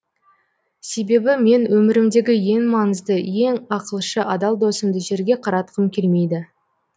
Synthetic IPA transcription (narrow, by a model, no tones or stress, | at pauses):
se̞be̞bɪme̞nwɵmɪɾɪmd̪e̞ɡʲɪje̞ŋmɑŋəzd̪əje̞ŋɑqəlˠʃəʔɑd̪ɑlˠd̪o̞səmd̪əʒe̞ɾɡʲe̞qʰɑɾɑt̪ə̥qəmkʲʰe̞lme̞jd̪ɪ